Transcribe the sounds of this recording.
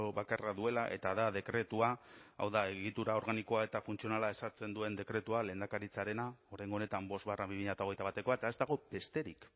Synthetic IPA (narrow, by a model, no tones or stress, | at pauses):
oβakaraðue̞laʔe̞̰t̪aðaðe̞kɾe̞t̪uaa̰wðae̞ɣ̞it̪uɾao̞ɾɣaniko̞ae̞t̪afunt͡sio̞nalae̞saɾt͡se̞nd̪ue̞nd̪e̞kɾe̞t̪uale̞ːnd̪akaɾit͡saɾe̞nao̞ɾajŋɡone̞t̪ambo̞zt̪βarabimiʎat̪ao̞ɣ̞e̞jt̪aβat̪e̞ko̞aet̪ae̞zd̪aɣ̞o̞be̞st̪e̞ɾik